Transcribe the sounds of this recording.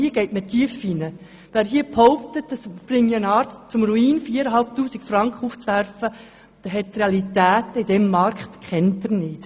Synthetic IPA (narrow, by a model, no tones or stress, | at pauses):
iəɡ̥eɪtmətʰːiəfinə | ʋæːɾɦiəphɔʊpt̪ət̚dəsprɪŋjənɑːɾt͡st̚t͡sʊmɾuiːnfiːəɾəɦɑlp̚tuːsikfrɑŋkχəuːft͡sʋærfə | d̥ɛɦɛt̚tːreɑlitæːtəidɛmːɑɾkχtkʰɛntːɪɾnɪːt